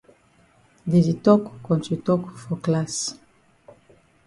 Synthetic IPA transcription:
dezitɔkːɔ̃ntutɔkfɔklas

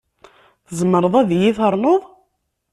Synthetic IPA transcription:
θəzəmːəɾˤəðˤæðjiθəɾˤnoðˤ

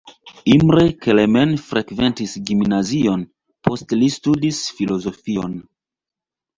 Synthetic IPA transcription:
imɾekelemenfɾʔekve̞ntisɡimnazio̞n | pʰo̞stlistudisfilo̞zo̞fio̞n

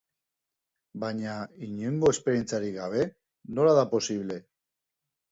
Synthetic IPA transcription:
baɲaiɲeŋɡoespe̞ɾje̞nt͡saɾiɣaβ̞e̞ | no̞laðapo̞siβ̞le̞

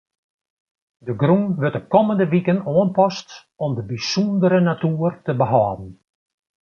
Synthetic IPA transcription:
dəɡruŋʋøtɔp̚kɔməndəʋikənoənpɔst | ɔmdəbisundəɾənatuərtəbəɦɑːdn̩

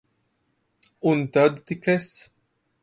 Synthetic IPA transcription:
unt̪əd̪t̪ikes

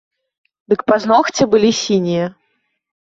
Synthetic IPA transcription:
d̪ɨkpaznɔxt͡sʲɛbɨlʲisʲinʲijɐ

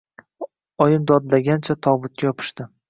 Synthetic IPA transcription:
ɒjɪmd̪ɒd̪laɡʲant͡ʃʰat̪ʰɒbʊt̪̚kʲajɒpʰɪ̥ʃt̪ɪ

